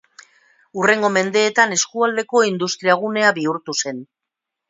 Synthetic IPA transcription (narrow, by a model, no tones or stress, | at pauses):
ure̞ŋɡo̞me̞nd̪e̞ːt̪ane̞skuald̪e̞ko̞ind̪ust̪ɾiaɣ̞une̞aβiuɾt̪use̞n